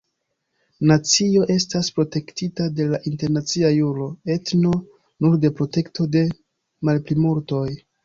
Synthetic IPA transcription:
nat͡sio̞ʔe̞staspɾo̞te̞ktitade̞laʔinte̞ɾnat͡siajuɾo̞e̞tno̞ | nuɾde̞pɾo̞te̞ktʰo̞de̞ | malplimuɾto̞j

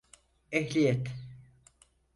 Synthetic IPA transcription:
ɛɦlʲijɛt̪

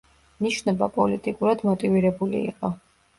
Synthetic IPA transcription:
niʃnɔbapʼɔlit̪ʼikʼuɾad̪mɔt̪ʼiviɾɛbulḭːqʼɔ

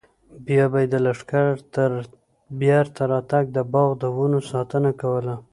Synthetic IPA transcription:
bjɑbajed̪əlaʂkaɾt̪əɾ | bjaɾt̪aɾɑt̪aɡ̚d̪əbɑɣd̪əwunosɑt̪ənakawəla

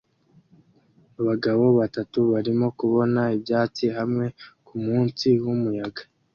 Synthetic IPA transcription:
aβaɡaβo̞βatatuβaɾimo̞kuβo̞naibjaːt͡siɦamŋe̞kumuːnsiwumujaɡa

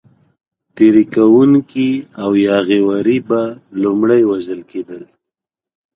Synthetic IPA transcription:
t̪eɾikawuŋkiawjɑɣewaɾibalumɽajwazəlked̪əl

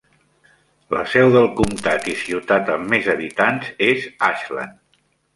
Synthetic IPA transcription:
ləsɛwðəlˠkumt̪at̪isiwt̪at̪əmːezəβit̪anzezaʃlə̰n

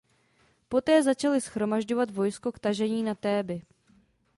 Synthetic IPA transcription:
po̞t̪ɛːzat͡ʃalɪsxɾo̞maʒɟo̞vat̪vo̞jskokt̪aʒɛɲiːnat̪ɛːbɪ

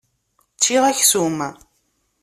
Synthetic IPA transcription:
t͡ʃːiʁæçsum

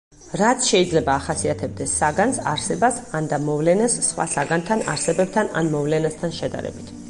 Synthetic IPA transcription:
ɾat̪sʰʃɛid̪zlɛbaːχasiat̪ʰɛb̚d̪ɛsːaɡansa̰ɾsɛbasand̪amɔvlɛnasːχwa̰saɡant̪ʰana̰ɾsɛbɛb̚t̪ʰana̰nmɔvlɛnast̪ʰanʃɛd̪a̰ɾɛ̰bit̪ʰ

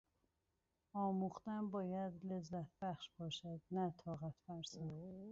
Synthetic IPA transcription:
ɒːmuχt̪ænbɒːjæd̪lezːæt̪̚ʰbæχʃbɒːʃæd̪næt̪ʰɒːɣæt̪ʰfæɾsan

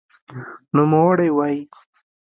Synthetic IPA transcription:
numawaɽewaji

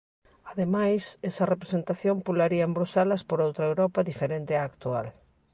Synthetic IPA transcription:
aðemajsɛsɐrepɾesent̪aθjompulaɾiɐembɾosalɐspoɾowt̪ɾɐewɾɔpɐðifeɾent̪ɪaːkt̪ual

